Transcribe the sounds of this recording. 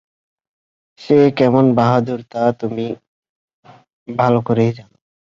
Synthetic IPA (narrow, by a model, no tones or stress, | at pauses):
ʃekɛmonbaɦad̪uɾt̪at̪umi | bʱalokoɾejd͡ʑano